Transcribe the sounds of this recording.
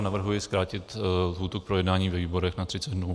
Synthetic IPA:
navr̩ɦujɪskɾaːcɪt̪lɦuːt̪uk̚pɾojɛdnaːɲiːvɛviːbo̞ɾɛxnat̪r̥ɪt͡sɛd̪nuː

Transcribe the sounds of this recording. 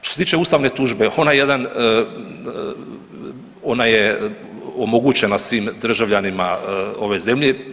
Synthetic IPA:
ʃt̪oset̪iːt͡ʃe̞uːst̪aʋnet̪uʒbe̞o̞najejed̪an | o̞naje | omo̞ɡut͡ɕe̞nasʋiːmd̪r̩ʒaʋʎanimao̞ʋe̞ze̞mʎe

